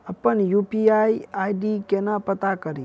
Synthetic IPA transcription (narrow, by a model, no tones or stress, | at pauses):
əpːənjupiaiajɖikenapət̪akəɾi